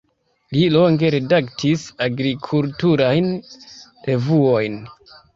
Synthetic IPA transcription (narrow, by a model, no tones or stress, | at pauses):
lilo̞ŋɡe̞ɾe̞daktʰisaɡɾikʰultuɾajn | ɾe̞vuo̞jn